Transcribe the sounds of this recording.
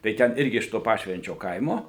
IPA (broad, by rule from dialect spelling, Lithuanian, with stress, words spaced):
tɐɪ ˈtʲɛn ˈɪrʲɡʲɪ ɪʃ toː ˈpɑːʃʲʋʲɛnʲt͡ʃʲoː ˈkɐɪmoː